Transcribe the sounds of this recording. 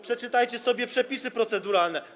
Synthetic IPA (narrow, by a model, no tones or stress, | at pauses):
pʂɛt͡ʂɘt̪ajt͡ɕɛsɔbʲjɛpʂɛpʲisɘpɾɔt̪sɛd̪uɾalnɛ